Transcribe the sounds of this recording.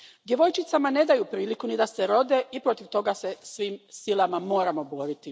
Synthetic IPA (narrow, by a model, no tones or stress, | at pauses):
d̪je̞ʋo̞jt͡ʃit̪samane̞d̪ajupɾiːlikunid̪aseɾo̞d̪e̞ipɾo̞t̪iʋt̪o̞ɡase̞sʋiːmsilˠamamo̞ːɾamo̞bo̞ːɾit̪i